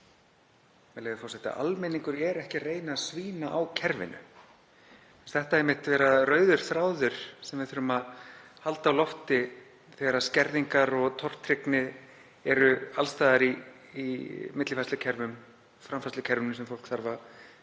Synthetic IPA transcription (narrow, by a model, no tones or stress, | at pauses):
mɛlejðɪfɔɾsɛht̪ɪ̰a̰ʔa̰lmɛniŋkʏɾjɛɾɛhcɪreːjnasviːnaʔawcʰɛɾvɪ̰nʏ̰ | ɛnst̪θɛht̪aɛjmːɪht̪vɛːɾaðrœːɥðʏɾ̥θɾaːwðʏɾ̥sɛmvɪðfʏɾʏmað | halt̪aːwlɔft̪ɪ | θɛɾascɛɾðiŋkaɾɔɣt̪ʰɔr̥t̪ɾɪknɪð | ɛɾʏalst̪aːðaɾiː | mɪt̪lɪfast̪ʏcʰɛɾvʏm | fɾamfast̪ʏcʰɛɾvɪnʏsɛmfowlkθaɾva